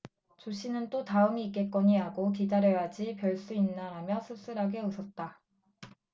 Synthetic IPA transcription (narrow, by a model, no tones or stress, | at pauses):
t͡ɕoɕʰinɯnt͈otaɯmiːk͈ek͈ʌɲiaɡokidaɾjʌjad͡ʑipjʌɭs͈uinːaɾamjʌsʰus͈ɯɾɦaɡe̞ɯsʰʌt̚t͈a